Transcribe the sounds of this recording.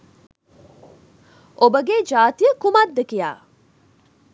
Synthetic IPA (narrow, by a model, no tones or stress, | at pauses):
ʔobəɡed͡ʒaːt̪ijəkumad̪ːɐkija̰ː